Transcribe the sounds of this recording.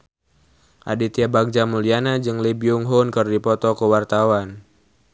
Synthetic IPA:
ʔa̰dit̪iabaɡ̚d͡ʒamulianad͡ʒɨŋlibiuŋɦunkɨrdipɔt̪ɔkəwart̪awan

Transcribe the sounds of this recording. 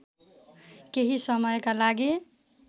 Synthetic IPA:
keɦisʌmʌjkalaɡi

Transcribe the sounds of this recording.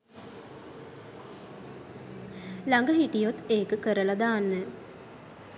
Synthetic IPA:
laŋɡəɦiʈijot̪eːkəkəɾəlad̪aːnːə

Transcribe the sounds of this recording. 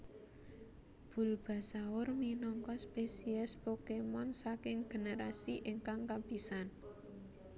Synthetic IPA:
b̥ṳlb̥a̤saʊrminɔŋkɔspesiɛspokemɔnsakɪŋɡ̥e̤nəɾasiʔɪŋkaŋkab̥i̤san

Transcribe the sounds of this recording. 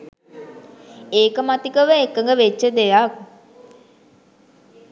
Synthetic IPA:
eːkəmat̪ikəʋəekːəŋɡəʋet͡ʃːəd̪ejak

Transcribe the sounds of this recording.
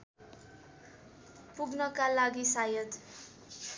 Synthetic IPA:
puɡnʌkalaɡisajʌd̪

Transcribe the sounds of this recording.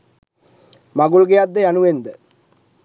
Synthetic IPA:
maɡuɭɡejad̪ːəjanuʋend̪ə

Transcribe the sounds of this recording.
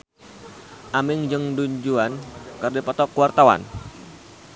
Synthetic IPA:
ʔamɪŋd͡ʒəŋduɲd͡ʒuankərdipɔt̪ɔkuwart̪awa̰n

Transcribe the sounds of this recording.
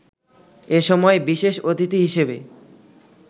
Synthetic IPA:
eʃɔmɔebiʃeʃot̪it̪iɦiʃebe

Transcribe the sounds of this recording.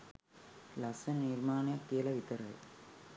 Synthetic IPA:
lɐsɐnniːrmaːnɐjɐkːilɐʋit̪ɐɾɐḛ

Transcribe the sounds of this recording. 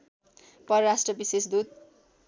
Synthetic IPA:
pʌɾʌɾasʈrʌbisesd̪ud̪̚

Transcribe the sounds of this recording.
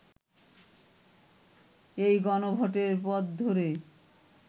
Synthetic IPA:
ejɡɔnobʱɔʈeɾpɔd̪d̪ʱoɾe

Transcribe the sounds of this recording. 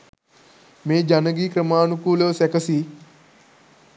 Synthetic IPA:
meːd͡ʒɐnɐɡikɾɐmaːnukuːloːsɐkɐsi

